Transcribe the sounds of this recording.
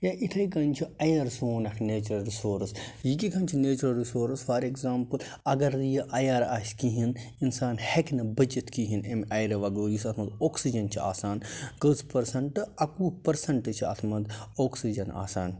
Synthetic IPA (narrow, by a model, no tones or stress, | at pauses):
jãʔit̪ʰɐjkɐnt͡ʃʰiɐjɐɾsoːnɐkʰneːt͡ʃɾɐlɾisoːɾsjikikʰɐnt͡ʃʰineːt͡ʃɾɐlɾisoːɾsfɐɾekzaːmpɨl | ɐɡɐɾijɐʔɐjaːɾaʃkiɦininsaːnheknɐbɐd͡ʒit̪ʰkiɦinemɐjɾɐʋɐɡoːɾjisɐt̪ʰmɐd̪oːksid͡ʒɐnt͡ʃʰia̰ːsaːnkəspɐɾsɐɳʈɨɐkuːpɐɾsɐɳʈɨt͡ʃʰiɐ̰t̪ʰmɐd̪oːksid͡ʒɐna̰ːsaːn